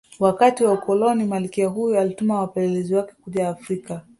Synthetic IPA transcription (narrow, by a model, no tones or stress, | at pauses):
wakatiwaukɔlɔnimalikiaɦujualitumawapɛlɛlɛziwakɛ̥kuʄaːfɾika